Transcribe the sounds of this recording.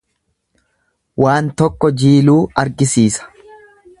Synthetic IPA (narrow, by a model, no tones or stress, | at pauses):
wʔaːnt̪ɔkːɔd͡ʒiːluːɐɾɡɪsiːsɐ̥